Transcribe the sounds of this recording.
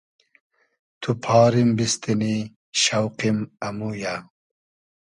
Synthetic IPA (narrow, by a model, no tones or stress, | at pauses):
t̪ʰupʰɑːɾimbist̪ini | ɕɐwqimɐmuja